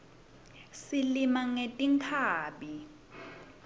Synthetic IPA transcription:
silimaŋetʼiŋkʰaːɓi

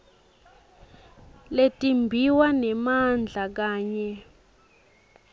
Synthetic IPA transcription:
letʼimbʱiwanɛmand͡ɮʱak̬aːɲɛ

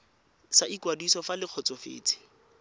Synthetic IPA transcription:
saʔikwadisɔfalɪq͡χʰɔt͡sɔfḛːt͡sʰʼɪ̥

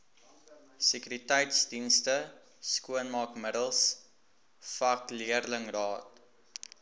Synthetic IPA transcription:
səkyɾitɛjtsdinstə | skuənmɑːkmədəlˠs | fɐkliərləŋrɑːt̚

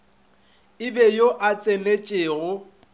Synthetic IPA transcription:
ɪbɛjoʔat͡sʼelet͡ʃʼeːɣʊ

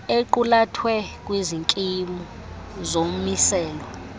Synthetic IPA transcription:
eǃulatʰwɛk̬ʼwiziŋkʼimu | zom̩misɛːlɔ

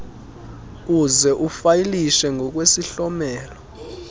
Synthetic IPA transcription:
uzɛʔufajiliʃɛŋʱɔk̬wesiɬɔmɛːlɔ

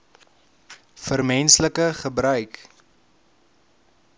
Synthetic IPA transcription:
fərmɛnsləkəχəbɾœɥk

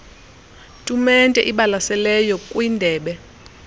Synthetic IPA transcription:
tʼumɛntʼɛ̰ʔiɓalasɛlɛjɔkʼwindʱɛːɓɛ

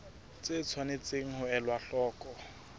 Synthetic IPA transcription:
t͡sɪt͡sʰwanet͡seŋ̩ɦʊɛlwaɬɔːkʼɔ

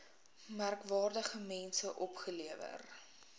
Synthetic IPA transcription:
mærkvɑːrdəχəmɛnsəʔɔpχəliəvə̰r

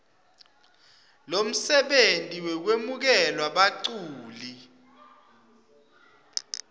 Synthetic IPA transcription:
lom̩sɛɓentʼiwɛk̬wemuk̬ɛlwaɓaǀuːli

